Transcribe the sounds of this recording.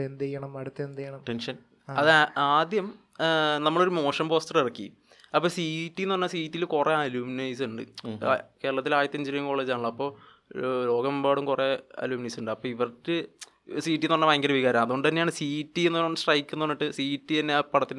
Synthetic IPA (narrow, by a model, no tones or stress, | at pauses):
end̪ɐjɐɳɐmɐɽut̪ːend̪ɐjɐɳɐmʈenʂɐn | ɐðaːd̪jɐm | nɐmːɐɭo̞ɾumo̞ːʂɐmpo̞ːstɐrirɐkːḭ | ɐpːoːsiːʈːijnːoɐnːɐsiːʈːilkure̞ɐluːminɐjsuɳɖɨ̰ke̞ːɾɐɭɐt̪ːilaːjɐt̪ːɐɲd͡ʑiɾujɐŋko̞ːɭːeːd͡ʑaːnɭːoɐpːo̞ː | lo̞ːɡɐmbaːɽumkureɐ̰luːminɐjsuɳɖɨɐpːoːiʋɐrtːɨ | siːʈːinonːɐʋɐjŋɡɐɾɐʋiɣaːɾɐmɐðuɳɖɨðnːejaːɳɨsiːtːienːuonːɐnːsʈrɐjkːunːuoɐnːiʈːɨsiːtːit̪ɐnːepɐɽɐt̪ːin